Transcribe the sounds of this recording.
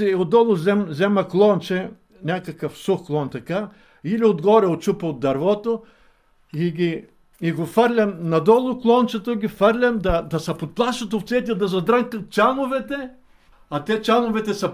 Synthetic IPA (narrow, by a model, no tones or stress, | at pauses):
iod̪ɔlˠʊzɛmzɛmɐklˠɔnt͡ʃɛ | nʲakɐkəfsuxklˠɔnt̪ɐka | iliod̪ɡɔɾɛot͡ʃupɐod̪ːɐɾvɔt̪o | iɡʲi | iɡofəɾlʲɐmnɐd̪ɔlˠʊklˠɔnt͡ʃɛt̪oɡʲifəɾlʲɐmd̪ɐd̪ɐsɐpot̪̚plˠaʃɐt̪oft̪sɛt̪ʲiɐd̪ɐzɐd̪ɾaŋkɐt͡ʃanʊvɛt̪ɛ | ɐt̪ɛt͡ʃanʊvɛt̪ɛsɐ